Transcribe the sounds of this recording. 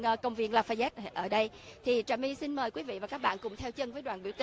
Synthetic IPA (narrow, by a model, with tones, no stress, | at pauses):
ʔːkə˧wŋ͡mvḭ˧˩ənlaː˧˩faː˧jzɛː˦˥t̚ʔəː˧˩ɗə˧j | t̪ʰi˨˩t͡ɕaː˨˩mi˧si˧nməː˨˩jkwi˨˦vḭ˧˨vaː˨˩kaː˦˥k̚ɓa̰ː˧˨nkʊ̰˧˩ŋ͡mt̪ʰɛ˧wt͡ɕə˧ŋvəː˨˦jɗwaː˧˨nɓi˧˩əwt̪i˨